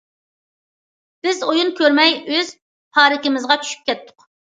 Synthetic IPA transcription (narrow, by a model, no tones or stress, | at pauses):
b̥ɪzojunkʲʰøɾmɛjøz̥ | pʰɑːɾɪkʲɪmɪzʁɑt͡ʃʲʰy̥ʃy̥p̚kʲʰɛt̪ʰːʊ̥q